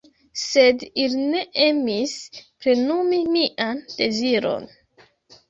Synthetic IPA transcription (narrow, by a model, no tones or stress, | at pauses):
se̞diline̞ʔemispɾenumimiʔand̥e̞ziɾo̞̰n